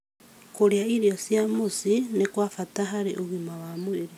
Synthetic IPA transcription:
koɾjaiɾjosjamusinekwafataɦaɾḛʔuɣimawamuiɾe

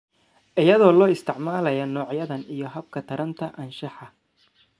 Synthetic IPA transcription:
ʔɪjɐðɔːlɔːɪst̪ʰɪʕmaːlɐjɐnɔːʕjɐðɐnijɞɦɐb̚kʰɐt̪ʰɐɾɐnt̪ʰɐʔɐnʃɑħɑ

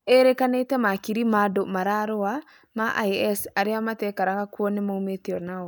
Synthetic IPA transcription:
eɾekanetɛmakiɾimadomaɾaɾowa | maʔa̰jɛsaɾiamatɛkaɾakakuonɛmoumetiɔɾnao

